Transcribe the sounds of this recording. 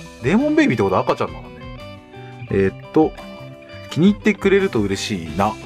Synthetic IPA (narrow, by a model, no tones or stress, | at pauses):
de̞ːmõ̞mbe̞ːbit̪ːekot̪oakat͡ɕã̰nd̪anane | et̪ːo̞ | kʲiɲ̟iːt̪ːe̞kɯ̟ɾe̞ɾɯ̟t̪o̞ɯ̟ɾe̞ɕiːna